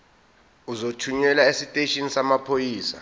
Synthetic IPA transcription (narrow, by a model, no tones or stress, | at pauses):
uzotʰuɲɛlaesitʼeʃinisamapʰojiːsa̰